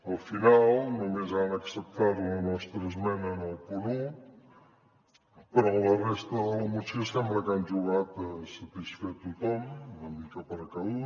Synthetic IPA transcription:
əlˠfinalˠnumezanəksəp̚t̪aɾunənɔst̪ɾəzmɛnənəlˠpuɾu | pəɾɔlərest̪əðələmut͡ʃisamɾəkand͡ʒuɣat̪əsəpisfet̪ut̪ɔmnəmikapəɾəkau

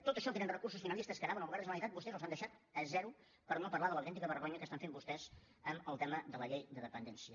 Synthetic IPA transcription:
t̪ot̪əʃɔt̪enənrəkursusfinəlist̪əskənaβənoləɣaɾəzələmit̪at̪̚bust̪ɛzəlˠzand̪əʃat̪əzɛɾu | pəɾnopərlaðəlˠəwt̪ɛnt̪ikəβərɣ̞oɲəkəst̪aɱfembust̪ɛz | əməlˠt̪ɛməðələʎejd̪əðəpənd̪ɛnsiə

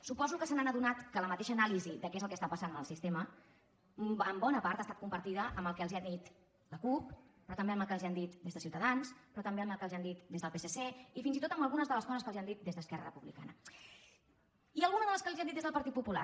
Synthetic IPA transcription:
supɔzukəsənanəðunat̪kələmət̪eʃəːnalizid̪əkɛzəlˠkɛəst̪apəsanməlˠsist̪emə | əmbɔnəpaɾt̪ast̪at̪̚kumbəɾt̪iðəʔəmbəlˠkɛəlˠziand̪it̪ | ləkup̚pɾɔt̪əmbeəməlˠkəlziand̪it̪d̪ezðəsiwt̪əðanspɾɔt̪əmbeəməlˠkəlziand̪it̪d̪ezðəlˠpeseseifinzit̪ot̪əmbəlˠɣunəzðələskɔzəskəlziand̪it̪̚d̪ezðəskɛrə̰rəpuβlika̰nə | iəlˠɣunəzðələskəlˠzianit̪ezðəlˠpəɾt̪it̪̚pupula̰

